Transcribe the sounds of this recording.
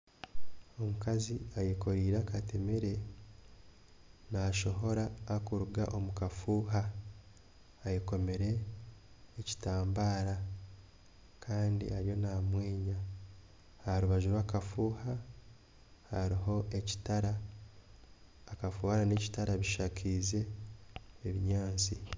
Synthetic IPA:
o̞mukaziajeko̞ɾiːɾaːkate̞meɾe̞ | naʃo̞ɦo̞ɾaːkuɾuɡa̰ʔo̞mukafuːɦa | jiko̞meɾe̞ː | ci̥taːmbaːɾa | kʰaːndḭaɾjo̞namweːɲa | haɾuβaʒuɾwaːkafuːha | haɾiɦo̞ʔe̞ci̥taɾa | kafuːhaɾane̞ci̥taɾaβiʃakʰize̞ː | βiɲaːnt͡si

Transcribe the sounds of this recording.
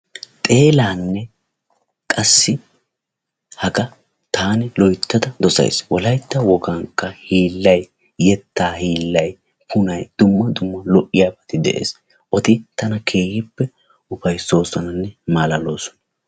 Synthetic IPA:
t̪ʼe̞ːlaːnːɛ | kʼɐsːɪ | hɐkɐ | t̪aːnɪlɔjt̪ːɐd̪ɐd̪ɔsɐ̰j̰swɔlɐjt̪ːɐwɔɡɐŋkːɐhiːlːɐjː | ɛt̪ːaːhiːlːɐj | pʰʊnɐjd̪̥ʊmːɐd̪ʊmːɐlɔʔɪjaːbɐt̪ɪd̪ɛ̰ʔe̞̰ːs | ʔɔt̪ɪt̪ɐnɐkʰe̞ːhɪpːɛ | ʔʊpɐjso̞ːsɔnɐnːɛmaːlɐloːsɔ̥nɐ

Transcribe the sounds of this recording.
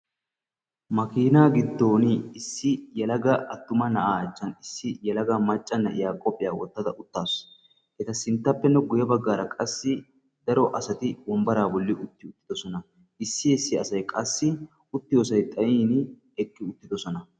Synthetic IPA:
mɐkiːnaːɡɪd̪ːo̞ːnɪɪsːɪjɐlɐɡɐɐt̪ːʊmɐnɐʔaːɐt͡ʃːɐnɪsːɪjɐlɐɡɐmɐt͡ʃʼːɐnːɐʔɪ̰jaːkʼɔpʼːɪjaːwɔt̪ːɐd̪ɐʔʊt̪ːaːs | ɛt̪ɐsɪnt̪ːɐpːɛnːɛɡʊjɐbɐɡːaːɾɐkʼɐsːɪ | d̪ɐɾɔʔɐsɐt̪ɪbɔmbɐɾaːbɔlːɪʊt̪ːɪʊt̪ːɪ̥d̪ɔsɔnɐ | ɪsːɪɛsːɪɐsɐjkʼɐsːɪ | ʊt̪ːɪjoːsɐjt̪ʼɐʔiːn | ɛkːɪʊt̪ːɪd̪ɔsɔnɐ

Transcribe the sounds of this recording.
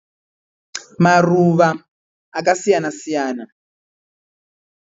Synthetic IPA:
maruβaː | k̬asijanasijaːna

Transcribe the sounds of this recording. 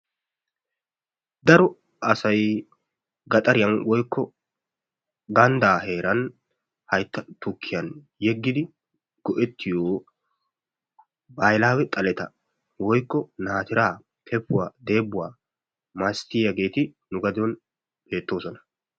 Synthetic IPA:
d̪ɐɾɔ | ɐsɐj | ɡɐt̪ʼɐɾɪjɐnwɔjkːɔ | ɡɐnd̪aːɦe̞ːɾɐn | hɐjt̪ːɐt̪ʊkʰːɪjɐn | jɛɡːɪd̪ɪ | ɡ̥ɔʔɛt̪ʰːɪjoː | bajlaːwɛt̪ʼɐlɛt̪ɐ | wɔjkːɔnaːt̪ɪɾaː | kʰɛpːʊwaːd̪e̞ːbːʊwaː | mast̪ɪjjɐɡe̞ːt̪ɪnʊɡɐd̪ɔn | b̥e̞ːt̪ːo̞ːsɔnɐ̥

